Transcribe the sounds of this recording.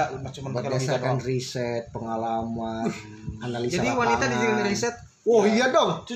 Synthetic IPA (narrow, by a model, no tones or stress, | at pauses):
mat͡ʃəmanbərbiaaakanrisɛt̪̚pəŋalaman | analisd͡ʒadiwannit̪adid͡ʒiɡinɾisɛt̪̚ | ɔhijadɔŋ